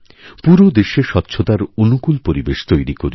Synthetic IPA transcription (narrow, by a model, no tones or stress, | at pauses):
puɾod̪eʃeʃɔtːɕʰot̪aɾonukulpoɾibeʃt̪ojɾikoɾi